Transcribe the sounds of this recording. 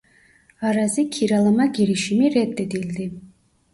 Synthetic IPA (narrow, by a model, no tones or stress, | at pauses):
aɾazikʰiɾalˠamaɡiɾiʃimiret̪̚ːed̪ild̪i